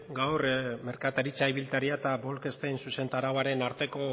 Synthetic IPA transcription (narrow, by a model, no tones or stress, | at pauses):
ɡawrme̞ɾkat̪aɾit͡saiβilt̪aɾiat̪abo̞lke̞st̪ejnsuse̞nt̪aɾawaɾe̞naɾt̪e̞ko̞